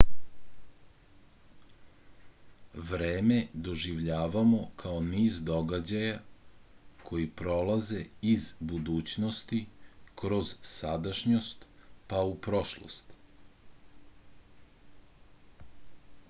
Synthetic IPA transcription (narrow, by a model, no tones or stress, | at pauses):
ʋɾeːme̞d̪o̞ʒiʋʎaːʋamo̞kʰaoniːzd̪o̞ɡad͡ʑaja | kʰo̞jipɾo̞lˠaze̞izbud̪uːt͡ɕnost̪ikɾo̞zsad̪aʃɲost̪paupɾoʃlˠo̰st̪